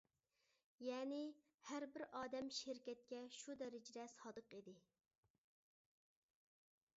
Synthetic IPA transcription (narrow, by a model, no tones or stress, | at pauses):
jɛːnɪ | hæɾbɪɾʔɑːd̪ɛmʃɪɾkʲɛt̪̚kʲɛʃud̪ɛɾɪd͡ʒd̪ɛsɑːd̪əqid̪ɪ